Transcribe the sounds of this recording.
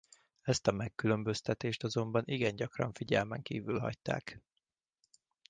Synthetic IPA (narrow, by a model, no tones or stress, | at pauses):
ɛst̪ɒmɛkːylø̞mbøst̪ɛt̪eːʃt̪ɒzo̞mbɒnʔiɡɛɲɟɒkrɒ̰ɱfiɟɛlmɛŋkiːvylɦɒ̰ct̪a̰ːk